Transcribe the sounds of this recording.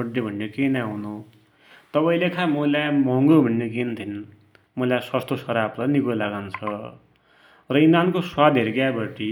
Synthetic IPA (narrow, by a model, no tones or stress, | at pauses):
ʌɖːebʱʌnːekenaɦũnu | t̪ʌpaĩlekʰamʌlajmʌŋɡobʱʌnːek̬ent̪ʰin | mʌlaswast̪osʌɾabrʌnikolaɡant͡sʰʌ | rʌinankoswad̪ʱeɾiɡjabʌʈi